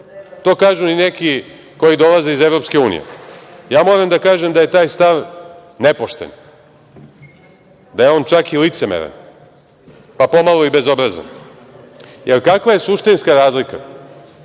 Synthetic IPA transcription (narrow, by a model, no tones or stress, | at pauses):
t̪o̞ːkaːʒunineki | ko̞jid̪o̞lazeizevɾo̞pske̞uːnḭjḛjaːmo̞ːɾamd̪akaːʒe̞md̪aje̞t̪aːjst̪aʋnepoʃt̪ḛn | d̪aje̞o̞ːnt͡ʃakilit̪se̞mḛɾa̰n | papo̞malˠoibe̞zo̞bɾaza̰n | jelkakʋaje̞suʃt̪inskaɾaːzlika̰